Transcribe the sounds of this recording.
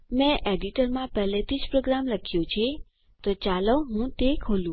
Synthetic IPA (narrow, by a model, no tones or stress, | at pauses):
mɛ̃ʔeɖiʈəɾmãpɛɦlet̪ʰid͡ʒpɾoɡɾamləkʰjũt͡ʃʰe | t̪ot͡ʃaləɦũt̪ekʰolũ